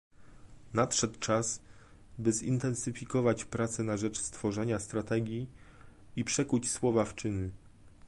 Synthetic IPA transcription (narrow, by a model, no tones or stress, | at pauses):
natʂɛt̪t͡ʂas | bɘzḭnt̪ɛnsɘfʲikɔvat͡ɕpɾat̪sɛnaʐɛt͡ʂst̪fɔʐɛɲast̪ɾat̪ɛɡʲji | ipʂɛkut͡ɕswɔvaft͡ʂɘnɘ